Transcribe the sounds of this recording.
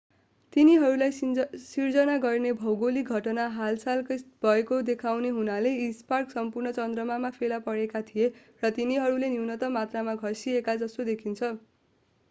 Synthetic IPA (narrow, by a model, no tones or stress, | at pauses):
t̪iniɦʌɾulajsird͡zʌnaɡʌrnebʱʌwɡoliɡʱʌʈʌnaɦalsalkʌb̥ʱʌekod̪ekʰawneɦunaleisparksʌmpurnʌt͡sʌnd̪rʌmamapʰelapʌɾekat̪ʰije | rʌt̪iniɦʌɾuleniwnʌt̪ʌmat̪ramaɡʱʌsiekad͡zʌst̪od̪ekʰint͡sʰʌ